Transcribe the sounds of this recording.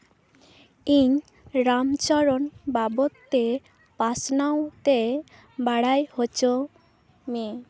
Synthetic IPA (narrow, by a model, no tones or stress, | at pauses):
iɲ | ɾamt͡ʃɔɾɔnbabot̪ːe | pasnawt̪e | baɽajhot͡ɕo | me